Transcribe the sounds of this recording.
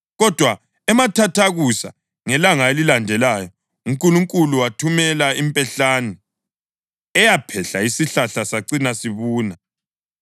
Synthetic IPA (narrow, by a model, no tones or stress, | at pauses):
ɣɔd̥ʱwa | ɛmatʰatʰaɣusa̰ | ŋɛlaŋaelilandʱɛlaːjɔ | uŋkʼuluŋkʼuluwatʰumɛlaimpʼɛɬaːnɛ | ɛjapʰɛɬaisiɬaɬasaǀinasiβuːna